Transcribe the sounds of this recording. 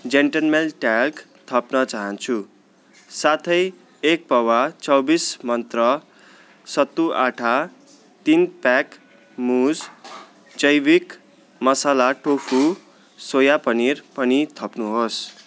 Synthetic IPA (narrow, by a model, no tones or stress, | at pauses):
d͡zeɳʈʌlmelʈalk | t̪ʰʌpnʌt͡saɦʌnt͡sʰu | sat̪ʰʌj | ek̚pʌwat͡sʌwbismʌnt̪rʌ | sʌt̪ːuʔaʈʰa | t̪inpak | mud͡z | d͡zʌjbik | mʌsalaʈopʰu | sojapʌnirpʌnit̪ʰʌpnuɦos